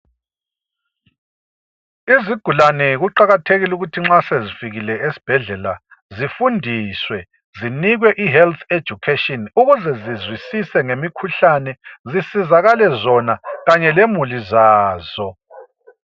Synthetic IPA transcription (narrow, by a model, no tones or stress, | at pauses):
iziɡ̥ʱulanɛɣuǃaɣatʰeɣiluɣutʰiŋ͡ǁasezifiɣilɛesi̥b̥ʱɛɮɛla | zifundʱiswɛ | ziniɣwɛʔiɦɛlt̪ʰed̥ʒ̥ʱukʰetɔnuɣuzɛzizwisisɛŋemikʰuɬanɛzisizaɣalɛzɔnaɣaɲɛlemulizaːzɔ